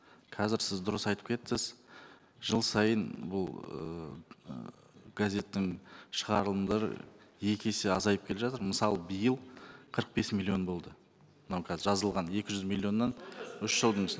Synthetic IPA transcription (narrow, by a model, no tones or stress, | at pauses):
qʰɑzɪɾsɪzd̪ʊɾəsɑjt̪ə̥p̚kʲʰe̞t̪ːɪz | ʒəlˠsɑjənbʊlˠə̰ | ɡ̥azʲe̞t̪ːɪŋʃəʁɑɾəlˠəmd̪ɑɾə̰je̞kʲe̞sɪɑzɑjəp̚kʰʲeeʒɑt̪əɾməsɑlˠəbəjəlˠqʰəɾəq̚be̞smʲilʲːio̞nbo̞lˠd̪ə | mənɑwkʰɑzɪɾʒɑzəlˠʁɑne̞kʲɪʒʏzmʲilʲˠːjo̞nːɑnʏʃʒ̥əlˠd̪əɴs